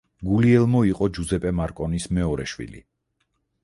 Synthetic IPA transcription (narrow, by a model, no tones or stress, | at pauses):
ɡuliɛlˠmɔiqʼɔd͡ʒuzɛpʼɛmaɾkʼɔnismɛɔɾɛʃwḭlḭ